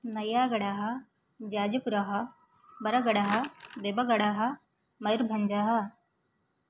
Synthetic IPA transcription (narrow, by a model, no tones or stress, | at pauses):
nɐjaːɡɐɽaːɦɐ | d͡ʒaːd͡ʒɐpuɾɐɦɐ | bɐɾɐɡɐɽɐɦɐd̪eːbɐɡɐɽaːɦɐ̆ | mɐjɾbʱɐɲd͡ʒaːɦɐ